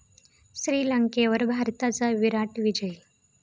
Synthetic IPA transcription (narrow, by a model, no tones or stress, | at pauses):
ɕɾiːlaŋkeʋəɾbʱaɾt̪at͡saʋiɾaʈʋid͡ʑəj